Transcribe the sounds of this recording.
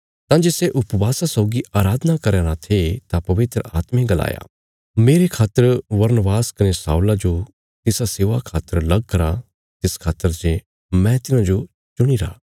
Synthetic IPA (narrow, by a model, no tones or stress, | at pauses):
t̪ãd͡ʒeːseʔʊpʋaːsasɔːɡiʔaːɾaːd̪ənakɐɾɛːɾãt̪ʰet̪apɐʋɪt̪ɾəa̰ːt̪mẽɡɐla̰ːja̰ː | meːɾekʰaːt̪ːəɾʋɐɾnəʋaːskɐnesa̰ːulad͡ʒo | t̪ɪsaseːʋakʰaːt̪ːəɾlɐɡ̚kɐɾa | t̪ɪskʰaːt̪ːəɾd͡ʒe | mɛ̃t̪ɪnãd͡ʒo | t͡ʃʊɽ̃iɾa̰ː